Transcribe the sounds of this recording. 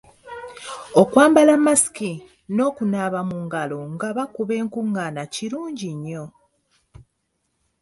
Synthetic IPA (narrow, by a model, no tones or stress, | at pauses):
okwaːmbalamasi̥ki | no̞ːkunaβamuŋɡaloŋɡaβakuβe̞ːŋkuŋːanaciɾuːɲɟiɲːo̞